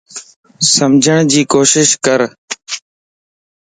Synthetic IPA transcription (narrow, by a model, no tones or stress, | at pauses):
səmd͡ʒʱəɳ̃d͡ʑiːkoːʃɪʃkəɾ